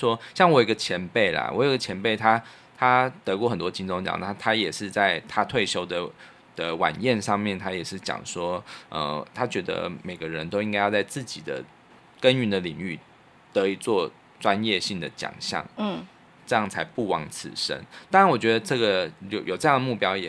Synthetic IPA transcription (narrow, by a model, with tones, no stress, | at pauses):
ʂwɔ˥ɕjɑ˥˩ŋwɔ˨jɡə˧t͡ɕʰjɛ˧˥npe˥˩ɪlɐ̰˩wɔ̰˧˥jɡə˩t͡ɕʰjɛ˧˥npe˥˩ɪt̪ʰa˥ | t̪ʰa˥t̪ɤ˧˥kwɔ˥˩xə˨˩nt̪wɔ˥t͡ɕi˥nt͡so˥ŋt͡ɕjɑ̰˨˩ŋa˥˩t̪ʰa˥jɛ˨˩ʂɻ̩˥˧t͡sa˥˩ɪt̪ʰa˦t̪ʰwe˥˩ɪɕjo˥ʊd̪ə˨ | d̪̥ə˨wa̰˨˩njɛ˥˧nʂɑ˥˧ŋmjɛ˥˩nt̪ʰa˥jɛ˨˩ʂɻ̩˥˩t͡ɕjɑ̰˨˩ŋʂwɔ˥ʔə̰˧t̪ʰa˥t͡ɕɥɛ˧˥d̪ə̰˧me˨˩ɪɡə˦ɻə˧˦nt̪o˥ʊi˥ŋka˥ɪjt͡sa˥˧ɪt͡sɹ̩˥˩t͡ɕi˨˩d̪ə̰˦ | kə˦˥ny˧˥nd̪ə˨li˨˩ŋy˥˩ | t̪ə˧˦i˨˩t͡swɔ˥˩ | ʈ͡ʂwa˦njɛ˥˧ɕi˥˩ŋd̪ə˩t͡ɕjɑ̰˨˩ŋɕjɑ̰˥˩ŋ˩ | ʈ͡ʂɤ˥˧jɑ˥˩ŋt͡sʰa˧˥ɪpu˥˩wɑ˧˥ŋt͡sʰɹ̩̰˨˩ʂə̰˦˥nt̪a˥ɻa˧˦nwɔ˨˩t͡ɕɥɛ˧˥d̪ə˧ʈ͡ʂɤ˥˩ɡə˨˩jo˨˩jo˨˩ʈ͡ʂɤ˥˧jɑ˥˩ŋd̪ə˩mu˥˩pjɑ˥ʊjɛ˨˩